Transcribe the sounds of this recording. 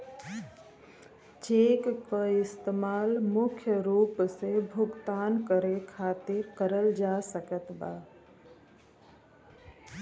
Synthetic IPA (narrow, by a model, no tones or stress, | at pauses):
t͡ʃeːkkəɪst̪emaːlmʊkʰjəɾuːpsebʱʊɡt̪aːnkəɾekʰaːt̪ekəɾəld͡ʒaːsəkət̪ba̰ː